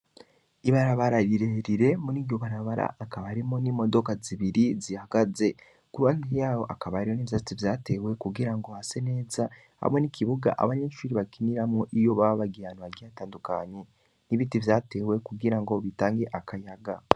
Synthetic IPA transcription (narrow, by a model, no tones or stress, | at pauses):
iβaɾaβaɾaɾiɾe̞ɾiɾe̞muniːɾɟoβaɾaβaɾa̰ʔːkaβaɾimonimo̞do̞kaziβiɾizihaɡ̥aze̞ | kuβanijaːjo̞ʔakaβaɾioniβizat͡sivjaːte̞we̞kuɡiɾaŋɡo̞hase̞ne̞ːza | ha̰monikʰiβuɡa̰ʔa̰βaɲeːʃuɾiβakiniɾamŋoʔijo̞βaβaβaɡianaɡiataːndukaːɲe̞ | niβitivjaːte̞we̞kuɡiɾaŋɡo̞βitaːŋɡe̞ʔakajaɡa